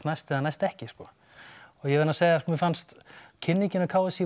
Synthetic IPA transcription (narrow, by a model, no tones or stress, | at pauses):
t̪najst̪ɛðanajst̪ɛhcɪskɔː | ɔɣjɛvɛɾnaseːjðamɪfanst̪cʰɪnːicɪnakʰaːwɪsi